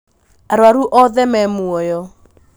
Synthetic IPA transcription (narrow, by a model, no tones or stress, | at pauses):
aɾwaɾuʔɔðɛmɛmuɔjɔ